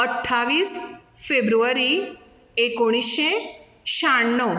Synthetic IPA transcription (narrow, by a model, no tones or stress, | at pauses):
əʈʰːaʋiːs | febɾuʋaɾi | ekoɽ̃iɕe | ʃaɳɳnːə